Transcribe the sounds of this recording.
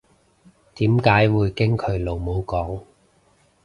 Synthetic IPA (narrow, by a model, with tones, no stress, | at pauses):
t̪iː˨˥mkaː˨˥jwuː˨˧jkɪ˥ŋkʰɵ˨˧ɥlo˨wmo˨˧wkɔː˨˥ŋ